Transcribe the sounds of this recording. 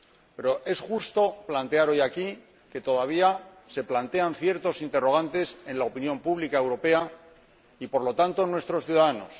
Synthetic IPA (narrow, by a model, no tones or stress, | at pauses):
pe̞ɾo̞ʔe̞sxust̪o̞plant̪e̞aɾo̞jaki | ke̞t̪o̞ðaβ̞ia | se̞plant̪e̞an̟θje̞ɾt̪o̞sint̪e̞ro̞ɣ̞ant̪e̞se̞nlaopinjo̞mpuβlikaewɾo̞pe̞a | ipo̞ɾlo̞t̪ant̪o̞nwe̞st̪ɾo̞sθjuðaðano̞s